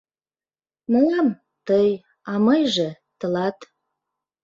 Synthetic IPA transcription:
mɤɑm | t̪əj | ɑmɤjʒĕ | t̪ə̆lɑt̪

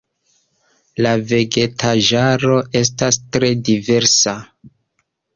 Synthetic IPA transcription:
lave̞ɡe̞tʰaʒaɾo̞ʔe̞s̬tastɾe̞dive̞ɾsa

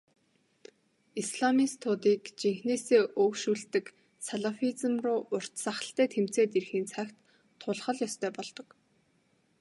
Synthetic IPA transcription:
isɮamist̪ʰʊːt̪iːkt͡ɕiŋxneːseːʔɵkʃuːɮt̪ɘ̆k | saɮafit͡sə̆mrʊːʔʊr̥t̪saχə̆ɬt̪æːt̪ʰem̥t͡seːt̪erxiːnt͡sʰækt̪ʰː | ʊɮχə̆ɮjɔst̪ʰœːpɔɮt̪ɞ̆k

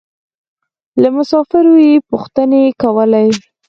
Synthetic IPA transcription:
lamʊsɑfɪɾojepuxt̪ənekawəlaj

